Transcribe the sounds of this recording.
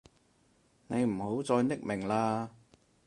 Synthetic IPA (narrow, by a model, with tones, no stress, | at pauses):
ne˨˧jm̩˨˩ho˨˥wt͡sɔː˧jnɪ˥k̚mɪ˨˩ŋlaː˧